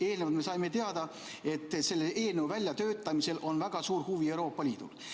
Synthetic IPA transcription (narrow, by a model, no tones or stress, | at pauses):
e̞ːlneɑt̪me̞sɑjme̞t̪eɑd̪̥ɑ | e̞t̪ːˑse̞lːeʔe̞ːlneuvælʲjɑt̪ø̞ːt̪ːˑɑmise̞lʔo̞nvæɡ̥ɑsuːrhuvie̞wɾo̞ːpːˑɑliːd̪̥ṵl